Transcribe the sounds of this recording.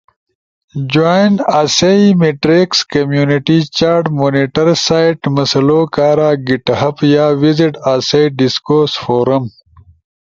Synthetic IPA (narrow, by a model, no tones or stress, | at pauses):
d͡ʑajnaːsɐimeʈɾekskɐmjuːniʈit͡ɕaːɾʈmoːniʈɐɾsaːiʈmɐsɐloːkaːɾaːɡiʈhɐpjaːwiziʈaːseiɖiskoːɾsfoːɾɐm